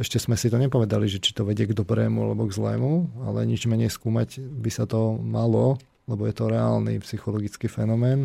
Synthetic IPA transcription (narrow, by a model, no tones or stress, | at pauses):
ɛʃcɛzmɛsit̪ɔɲɛpɔʋɛd̪aliʒɛt͡ʃi̥t̪ɔʋɛɟɪɛɡd̪ɔbɾɛːmua̰lɛbɔɡzlɛ̰ːmua̰lɛ̰ɲid͡ʒmɛɲɛjskuːmaɟbisat̪ɔmalɔ | lɛbɔjɛt̪ɔɾɛa̰ːlnḭpsixɔlɔɡit͡skiːfɛnɔmɛːn